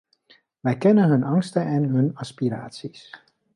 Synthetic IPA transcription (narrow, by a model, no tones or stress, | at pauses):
ʋɛjkɛnəɦɵnɑŋstəʔɛnɦɵnaspiɾa̰ːsis